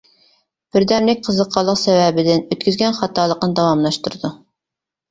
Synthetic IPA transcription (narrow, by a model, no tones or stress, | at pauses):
b̥ɪɾd̪ænlɪk̚ʲqʰəzəqʰɑlˠːəqsɛvɛbɪd̪ɪnøt̪̚kʲyzɡʲɛnχɑt̪ʰɑːlˠəqnɨd̪ɑwɑmlˠɑʃt̪uɾɨd̪u